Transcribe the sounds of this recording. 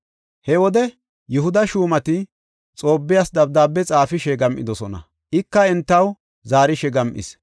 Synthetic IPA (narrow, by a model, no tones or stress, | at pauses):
hɛwɔd̪ɛ | jʊɦʊd̪ɐʃuːmɐt̪ɪ | t͡sʼo̞ːbːɪjasd̪ɐb̚d̪aːbːɛt͡sʼaːfɪʃɛɡɐmʔɪ̰d̪ɔsɔnɐ̰ | ʔɪkːɐɛnt̪ːɐw | zaːɾɪʃɛɡɐmʔɪ̰s